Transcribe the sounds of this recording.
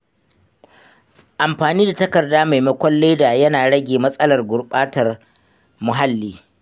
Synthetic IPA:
ʔa˨mɸaː˨niː˦da˨tɐ˦kɐ˨rdaː˦ma˨jmɐ˦kʷɐ˦lːeː˦da˨jɐ˦naː˨ɽɐ˦ɡʲeː˨mɐ˦sʼɐ˦lɐ˨rɡʷʊ˨rɓaː˦tɐ˨r | mʊ˨ɦa˦lːiː˦

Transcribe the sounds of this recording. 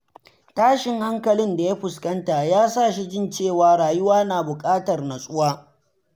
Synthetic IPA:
taː˦ʃɪ˨ŋha˦ŋkɐ˨lɪ˦nda˨ja˦ɸʊ˨skɐ˦nta˨jaː˦sa˦˨ʃi˦d͡ʒɪ˦nt͡ʃeː˦˨waː˨ɾaː˨jʊ˦waː˦naː˨bʊ˨kʼaː˦tɐ˨rna˨sʼʊ˦waː˦

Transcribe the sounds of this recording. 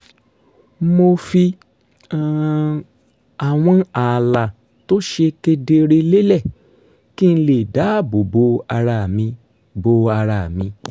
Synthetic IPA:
mo˧fi˧˨ | a˨w̃ɔ̃˧a˨la˨ | to˦ʃe˧ke˧de˧ɾe˧le˦lɛ˦˨ | ki˦n̩˧le˦˨da˨˦bo˨bo˧a˧ɾa˧˨mĩ˧ | bo˧a˧ɾa˧˨mĩ˧

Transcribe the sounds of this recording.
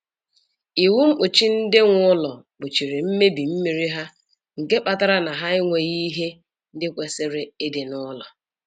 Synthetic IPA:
i˨wu˦ŋ͡m̩˦k͡pʊ˨t͡ʃi˦n̩˦dɪ˦ŋʷ˦ʊ˦lɔ˨ | bʊ˨t͡ʃi˨ɾe˨m̩˦me˦bi˨m̩˦mi˨ɾi˦ɦa˦ | ŋ̩˨ke˦k͡pa˨ta˦ɾa˦na˨ɦa˦ɪ˦ŋʷe˨ɣi˦ɦe˦ | n̩˦dɪ˦kʷe˨se˦ɾe˨e˦de˨nʊ˦lɔ˨

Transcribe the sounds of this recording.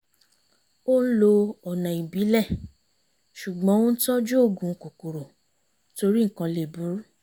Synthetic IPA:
o˦n̩˦lo˧ɔ˨nã˨i˨bi˨˦lɛ˦˨ | ʃu˨ɡ͡bɔ̃˨˦wo˦n̩˦tɔ˦d͡ʒu˦o˦˨ɡũ˨˦ko˨ko˨ɾo˨ | to˧ɾi˦ŋ̩˨kã˧le˨bu˨˦ɾu˦

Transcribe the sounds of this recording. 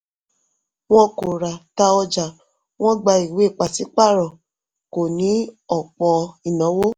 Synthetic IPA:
w̃ɔ̃˦ko˨ɾa˨ta˧ɔ˧d͡ʒa˨ | w̃ɔ̃˦ɡ͡ba˧i˨we˨˦˨k͡pa˨si˨˦k͡pa˦˨ɾɔ˨ | ko˨nĩ˨˦ɔ˨k͡pɔ˧i˨nɔ̃˨˦wo˦

